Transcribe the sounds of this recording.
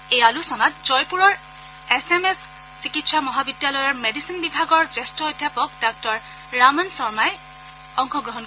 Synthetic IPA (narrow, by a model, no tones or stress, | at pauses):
ejalusɔnatzɔjpuɹɔɹ | esemesː | ikitsamɔɦabidjalɔjɔɹmedisinbibʱaɡɔɹzestɔɔdjapɔk̚dak̚tɔɹ | ɹamɔnsɔɹmaj | ɔŋxɔɡɹɔɦɔn